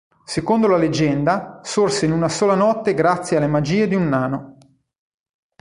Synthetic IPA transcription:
sekond̪olaled͡ʒɛnd̪asorseinunasoːlanɔt̪ːeɡɾat̪sːjealːemad͡ʒiːed̪iunːaːno

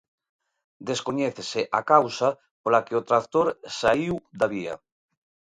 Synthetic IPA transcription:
d̪eskoɲeθeseʔakawsa | polakeot̪ɾakt̪oɾsaiwd̪aβia̰

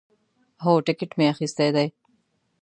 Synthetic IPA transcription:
ɦoːʈɪkɪʈmeaxist̪ejd̪aj

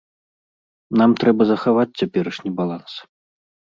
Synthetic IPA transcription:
namt̪ɾɛbɐzɐxavat͡sʲt͡sʲapʲɛɾɐʂnʲibalˠans

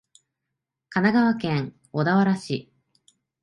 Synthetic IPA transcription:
kanaɡaβakẽ̞ŋ | od̪aβaɾaɕi

